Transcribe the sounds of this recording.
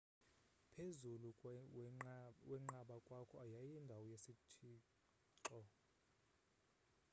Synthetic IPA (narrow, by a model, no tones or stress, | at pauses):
pʰezulu | wɛŋ͡ǃaɓakʼwakʰɔajajindʱawɔjesitʰiː | ǀɔ